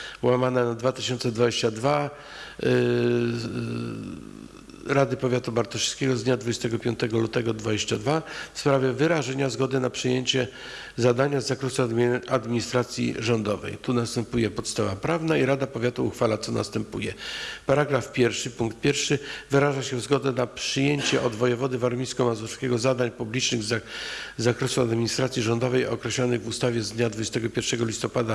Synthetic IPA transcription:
wamanɛnad̪vat̪ɘɕɔnt̪sɛd̪vad͡ʑeɕt͡ɕad̪va | ɾad̪ɘpɔvʲjat̪ubaɾt̪ɔʂskʲɛɡɔzd̪ɲad̪vud͡ʑɛst̪ɛɡɔpʲjɔnt̪ɛɡɔlut̪ɛɡɔd̪vad͡ʑeɕt͡ɕad̪vafspɾavʲjɛvɘɾaʐɛɲazɡɔd̪ɘnapʂɨjeɲt͡ɕɛ | zad̪aɲazːakɾɔsuad̪mʲiɲist̪ɾat̪sʲjḭʐɔnd̪ɔvɛ̰jt̪unast̪ɛmpujɛpɔt̪st̪avapɾavnaiɾad̪apɔvʲjat̪uːxfalat̪sɔna̰st̪ɛmpujɛpaɾaɡɾafpʲjɛɾfʂɘpuŋkt̪̚pʲjɛɾfʂɘvɘɾaʐaɕɛvzɡɔd̪ɛnapʂɘjeɲt͡ɕɛʔɔd̪vɔjɛvɔd̪ɘvaɾmʲiskɔmazɔfskʲɛɡɔzad̪aɲpublʲit͡ʂnɘɣzzːakɾɛsuad̪mʲiɲist̪ɾat̪sʲjiʐɔnd̪ɔvɛjɔ̰kɾɛɕlɔnɘɣvust̪avʲjɛzd̪ɲad̪vud͡ʑɛst̪ɛɡɔpʲjɛɾfʂɛɡɔlʲist̪ɔpad̪a

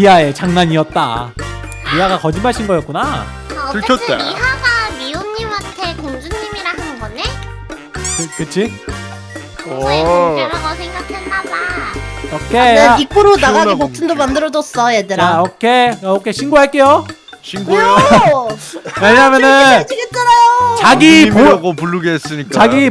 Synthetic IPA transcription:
piɦae̞t͡ɕaŋnaɲiʌt̚t͈a̰ | miɦaɡakʌd͡ʑimaɭɕʰinɡʌjʌt̚k͈una | ɯʌḛiɦaɡamionɲimantʰekoŋd͡ʑuŋɲːimiɾaɦanɯnɡʌne | kɯkɯt͡ɕʰi | ɾaɡasʰeŋɡak̚dʰendadaokʰeaik͈uɾonaɡaɡikotʰɯndomandɯɾʌd͡ʑʌs͈ʌjedɯɾaokʰeokʰeɕʰinɡuaɭk͈e̞jo | ɕʰinɡ | weɲaɦamjʌnɯt͡ɕiet͈ʌɾajt͡ɕaɡipmoaɡopuɭːuɡeɦes͈ɯɲik͈aɡi

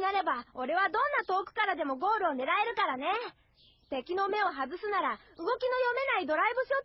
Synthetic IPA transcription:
naɾe̞bao̞ɾe̞βad̪õ̞nːat̪o̞ːkɯ̟̥kaɾad̪e̞mo̞ɡo̞ːɾɯ̟o̞ne̞ɾae̞ɾɯ̟kaɾane̞ | t̪e̞kʲino̞me̞o̞ɦazɨsɨnaɾa | ɯ̟ɡo̞kʲino̞jo̞me̞naid̪o̞ɾaibɯ̟ɕo̞

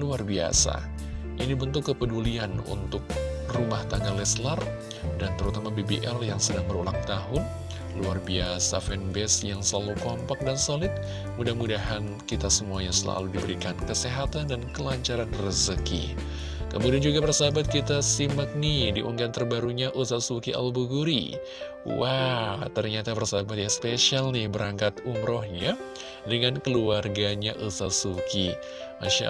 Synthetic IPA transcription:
luarbia̰sa̰ | ʔinibənt̪ʊkːəpədulianṵnt̪ʊk̚rumaht̪aŋɡalɛslar | dant̪əɾut̪amabebiʔɛljaŋsədaŋbəɾulaŋ̚t̪aɦʊn | luarbiasa̰fɛnbɛsjaŋsalukompak̚dansolɪt̪̚ | mudahmudaɦan | kit̪asəmuaɲasəla̰ludibəɾikankəseɦat̪andankəlaɲt͡ʃaɾanrəzəkḭ | kəmudiand͡ʒuɡapərsabat̪̚kit̪asimək̚nidiʔuŋɡant̪ərbaɾuɲaʔusasukia̰lbuɡuɾḭ | wat̪ərɲat̪apərsabat̪̚jaspeʃialnɪhbəɾaŋkat̪umɾɔhɲa | dəŋankəluarɡaɲaʔusat̪suki | ma̰ʃa̰

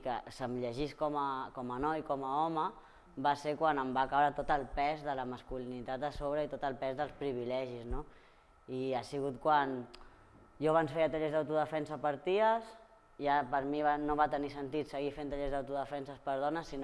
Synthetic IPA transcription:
kə̰səmʎəʒiskɔməkɔmənɔjkɔməɔmə | baseɾkwanəmbakaβɾat̪ot̪əlˠpɛzðələməskulinit̪at̪əsoβ̞ɾəit̪ot̪əlˠpɛzðəlˠspɾiβ̞ilɛʒizno | iasiɣut̪kwan | joβansfeɾət̪əʎezðəwt̪uðəfɛnsəpəɾt̪iəs | iapəɾmiβanoβat̪ənisənt̪it̪səɣifent̪əʎezðəwt̪uðəfɛnsəspəɾðɔnəsːin

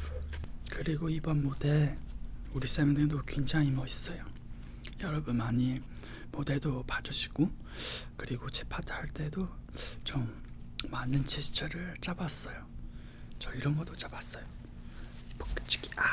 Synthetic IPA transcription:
kɯɾiɡoibʌnmode̞ | uɾis͈emʌŋdedokwend͡ʑaŋimʌis͈ʌjo | jʌɾʌbɯnmaɲi | mode̞dopad͡ʑuɕʰi̥ɡ̥o | kɯɾiɡot͡ɕe̞pʰatʰhaɭt͈e̞dot͡ɕomːanɯnt͡ɕʰisʰt͡ɕʰʌɾɯɭt͡ɕ͈abas͈ʌjo | t͡ɕʌiɾʌnɡʌt͈ot͡ɕ͈abas͈ʌjo | pʌ̥kt͡ɕ͈i̥ki̥a

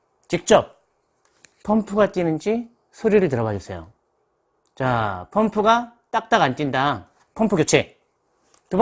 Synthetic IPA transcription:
t͡ɕik̚t͡ɕ͈ʌp̚ | pʰːʌmpʰuɡat͈inɯnd͡ʑi | sʰoɾiɾɯɭtɯɾʌbad͡ʑʌs͈ejo̰ | t͡ɕapʰʌmpʰuɡat͈ak̚t͈aɡant͈indaŋ | pʰʌmpʰuɡjot͡ɕʰe̞ | tub

